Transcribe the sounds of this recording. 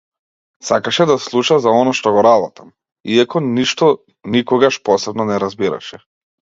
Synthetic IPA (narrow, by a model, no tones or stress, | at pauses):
sakaʃɛd̪aslˠuʃazaɔnaʃt̪ɔɡɔɾabɔt̪ʰam | iakɔniʃt̪ɔ | nikɔɡaʃpɔsɛbnɔnɛɾazbiɾa̰ʃɛ